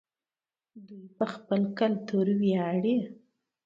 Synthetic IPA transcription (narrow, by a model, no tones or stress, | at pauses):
d̪ujpəxpəlkalt̪oɾwjɑɽe